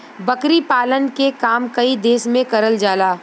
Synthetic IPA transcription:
bɐkɾipaːlənkekaːmkɐid̪eːsmẽkɐɾəld͡ʒaːlaː

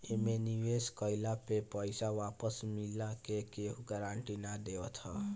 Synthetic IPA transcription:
emeniweskəɪlapepəjsaʋapəsmilakekeɦuɡaɾaɳʈinad̪eɔt̪ʰɔ̰

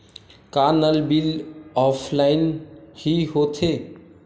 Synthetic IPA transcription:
kanəlbilɔpʰlainhiɦot̪ʰe

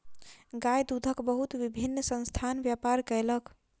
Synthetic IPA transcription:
ɡajd̪ud̪ʱəkbəɦut̪bibʱinːsə̃nst̪ʰanbjapaɾkələk

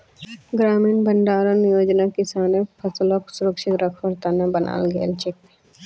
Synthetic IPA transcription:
ɡɾaːmiːnbɐɳɖaːɾanɪjoːd͡ʒnakɪsaːnepʰɐsloksʊɾəkʃɪkɾɐkʰʋɐɾt̪anabənʔa̰ːlɡḛːlt͡ʃek̚me

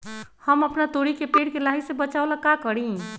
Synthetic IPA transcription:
həməpnat̪oɽikepeɽkelaɦisebət͡ʃaolakakəɽĩ

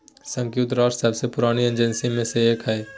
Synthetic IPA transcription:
sə̃ŋkjut̪ɾɔːɾsəbsepʊɾaːniẽnd͡ʒənsimẽseekʰaeː

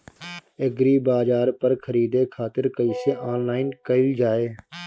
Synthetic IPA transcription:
eɡɾiːbaːd͡ʒaːɾpəɾkʰəɾiːd̪ekʰaːt̪ɪɾkəiseʔaːnlaːɪnkəɪld͡ʒaːeː

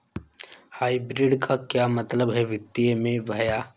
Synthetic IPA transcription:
haːibɾɪɖkʰakjamɐt̪ləbɦɛʋɪt̪ːiemẽbʱɐjaː

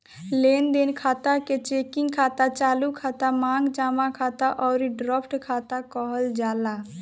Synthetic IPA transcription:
lend̪enkʰaːt̪aket͡ʃekiŋɡkʰat̪at͡ʃaːlukʰat̪amãːŋɡd͡ʒaːmakʰat̪aʔɔːɾiɖɾapʰʈkʰat̪akɔɦəld͡ʒala

